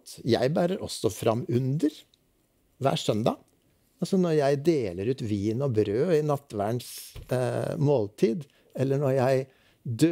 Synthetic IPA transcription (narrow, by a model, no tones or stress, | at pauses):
t̪jæ̰ɪbæːɾəɾʔɔsːɔfɾɑ̰mːʉnd̪əɾ | ʋæ̰ːʂœnd̪ɑ̰ː | ɑlsɔnɔɾjæɪd̪eːləɾʉːt̪ʋiːnɔbɾøːɪnɑt̪ːʋæːəɳs | moːlt̪ʰiːd̪ | ɛlːəɳɔɾjæɪ | d̪ø